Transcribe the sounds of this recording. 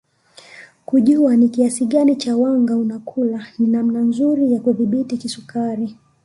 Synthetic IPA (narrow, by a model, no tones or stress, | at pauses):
kuʄuanikiasiɠanit͡ʃawaŋɡaunakʰulaninam̩nanzuɾijakuðiɓitikisukaɾi